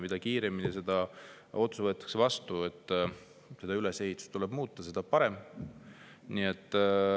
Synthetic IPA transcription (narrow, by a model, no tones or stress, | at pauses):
mid̪̥ɑkiːɾeminise̞d̪̥ɑ | o̞t̪suvɤ̞ːt̪ːˑɑ̥ksevɑst̪ue̞t̪ːˑ | se̞d̪ɑylese̞ɦit̪su̥st̪ulɛbmuːt̪ˑːɑse̞d̪ɑpɑɾe̞m | nie̞t̪ːˑ